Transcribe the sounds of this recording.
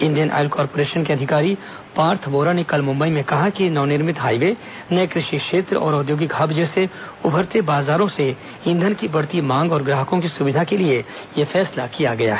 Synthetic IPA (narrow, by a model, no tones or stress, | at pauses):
ɪ̃nd̪ijənʔa̰ːɪlkɔːɾpoːɾeːʃənkeɐd̪ʱɪkaːɾi | paːɾt̪ʰboːɾanekɐlmʊ̃mbəimẽkɐɦakinɐːnɪɾmɪt̪ɦaːiʋe | nɐjkɾɪʃikʃeːt̪ɾəɔ̰ːɾʊd̪joːɡɪkɦɐbd͡ʒɛseʊbʱəɾt̪ebaːzaːɾõse | ɪ̃nd̪ʱənkibɐɽt̪imãːŋɡɔːɾɡɾaːɦəkõkisʊʋɪd̪ʱakelie | jefɛːslakijaɡɐja̰ɦɛː